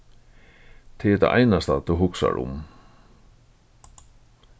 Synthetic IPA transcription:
t̪ʰɪɛɾt̪a̰ʔa̰jnast̪at̪ʰuɦʊksa̰ɾʊ̰m

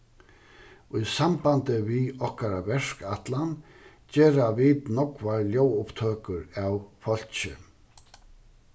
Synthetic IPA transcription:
ʊjsampant̪ɪviɔhkaɾavɛɹ̥kat̪lan | t͡ɕɛːɾavit̪nɔkvaɹljowʊpt̪ʰœːkʏɾawfɔl̥t͡ɕɪ

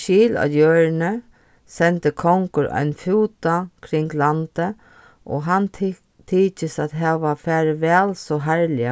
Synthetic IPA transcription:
ʃiːla̰jøːɹnə | sɛnt̪əkʰɔŋkʊɾʔa̰ɪnfuːt̪akʰɾɪŋɡlant̪ə | ʔɔ̰ːɦan | t̪ʰiːt͡ʃəsat̪ɦɛːʋafæːɾʋɛːlsɔɦæɹlɪa

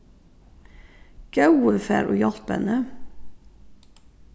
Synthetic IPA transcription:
ɡ̥ɑʉəfæ̰ːɾʔoːjɑlt̪bɛ̰nə

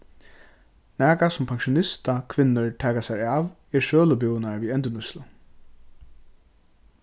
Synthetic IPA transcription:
næːkasʊmpʰaŋʃʊnɪst̪akʰʋɪnːʊɹt̪ʰɛːkasajɾaːʋ | ɛɹʃøːlʊbjʊwnaɹviːɛnt̪ʊnʊslʊ

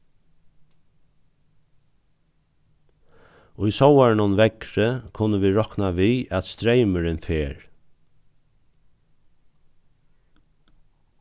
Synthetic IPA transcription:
ʊjsɔwɛɹɳʊnʋɛkɾəkʰʊnːəʋiːɹɔknaʋiːæt̪st̪ɾejməɾɪnfeːɹ

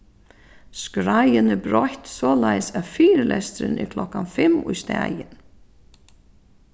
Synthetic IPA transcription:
skɾajɪnɛɾbɾɔht̪sɔːlajsæðfiːɾlʔɛst̪ɾɪ̰nɪ̰kʰlɔkːanfɪmʊjst̪æːjɪn

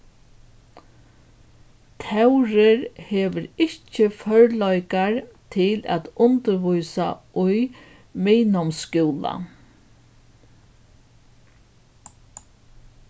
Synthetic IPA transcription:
t̪ʰɛwɾɪɾheːʋəɾɪht͡ʃɪfœɹlɔjkaɾt̪ʰɪlæ̰ːt̪ʊnt̪əɾʋujsa̰ʔʊj | miːnɔmskɪwla̰

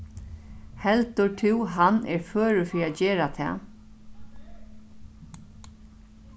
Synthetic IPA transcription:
hɛlt̪ʊʈʰɪwɦanɛ̰ɹføːɾʏfiɾad͡ʑeːɾat̪ʰɛ̰ː

